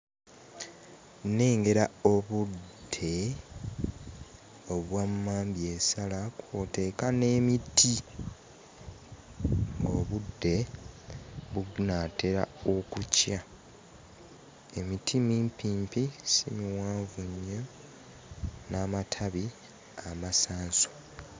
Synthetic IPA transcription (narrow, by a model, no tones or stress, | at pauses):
ne̞ːŋɡe̞ɾao̞βude̞ | o̞βwamːaːmbje̞salakwote̞ːkane̞ːmitʰi | ŋɡo̞βudːe̞ | βunate̞ɾa̰okucja | e̞mitʰimiːmpiːmpisimiwaːɱvuɲːo | namatʰaβi | amasaːnso̥